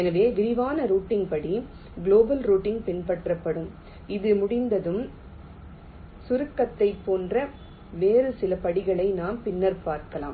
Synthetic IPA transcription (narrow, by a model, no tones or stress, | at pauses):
ɛnɐʋeːʋɪɾɪʋaːnɐɾuːʈːɪŋɡpɐɽi | ɡloːbɐlɾuːʈːɪŋɡpɪnpɐʈrɐpːɐɽɯm | ɪðɯmʊɽɪnd̪ɐðɯm | sʊɾɯkːɐt̪ːɐɪpːoːndrɐ | ʋeːɾɯsɪlɐpɐɽɪɣɐɭɐɪnaːmpɪnːɐɾpaːɾkɐla̰ːm